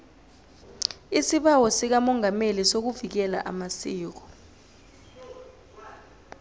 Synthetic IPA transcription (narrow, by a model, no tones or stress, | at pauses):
isiɓawɔsik̬amɔŋamelisok̬uvik̬ɛla̰ʔamasiːk̬ɔ̥